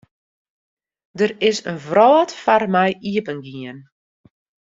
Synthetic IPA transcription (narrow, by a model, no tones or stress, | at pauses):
dərɪsənvrɔːtfarmɛjiəpənɡiən